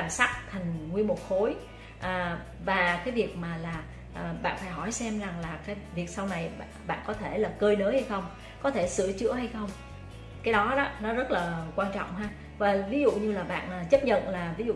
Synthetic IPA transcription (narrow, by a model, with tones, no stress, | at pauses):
aː˧˩msa˦˥k̚t̪ʰa˨˩jŋ̟ŋwi˧əmu˨˩t̚xo˨˦j | ʔəː˨˩ | vaː˨˩kaː˨˦jvi˨˩ək̚maː˨˩laː˨˩ | ʔːɓa̰ː˧˨nfaː˧˩jɦɔ˧˩jsɛ˧mza˨˩ŋlaː˨˩kaː˨˦jvi˨˩ək̚sa˧wna˨˩jɓa̰ː˧˨nkɔ˨˦t̪ʰe˧˩laː˨˩kəː˧jnəː˨˦jha˧jxə˧wŋ͡m | kɔ˨˦t̪ʰe˧˩sɨ̰˧˩ət͡ɕɨ̰˧˥əha˧jxə˧wŋ͡m | kaː˨˦jɗɔ˨˦ɗɔ˨˦nɔ˨˦zə˦˥t̚laː˨˩kwaː˧nt͡ɕɔ̰˧˨wŋ͡mɦaː˧ | vaː˨˩vi˨˦zṵ˧˨ɲɨ˧laː˨˩ɓa̰ː˧˨nʔaː˨˩t͡ɕə˦˥p̚ɲə̰˧˨nlaː˨˩vi˨˦zṵ˧˨